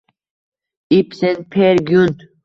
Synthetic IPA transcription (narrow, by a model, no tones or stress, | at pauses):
ipsen̚pʰeɾɡjunt̪